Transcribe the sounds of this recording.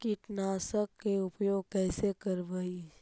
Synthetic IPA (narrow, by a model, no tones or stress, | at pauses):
kɪʈnaːsəkːeʊpjoːɡ̚kɛːsekəɾʋai